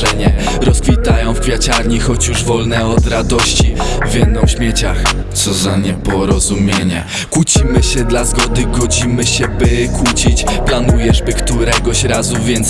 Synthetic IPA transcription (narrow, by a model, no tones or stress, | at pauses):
ɛɲɛ | ɾɔskfʲit̪ajɔ̃w̃fkfʲjat͡ɕaɾɲixɔt͡ɕjuʐvɔlnɛɔd̪ɾad̪ɔɕt͡ɕivʲjɛd̪ːɔ̃w̃ɕmʲjɛt͡ɕax | t̪sɔzaɲɛpɔɾɔzumʲjeɲɛ̰ | kwut͡ɕimɘɕɛd̪lazɡɔd̪ɘɡɔd͡ʑimɘɕɛbɘkwut͡ɕit͡ɕplanujɛʐbɘkt̪uɾɛɡɔɕɾazuvʲjɛnt̪s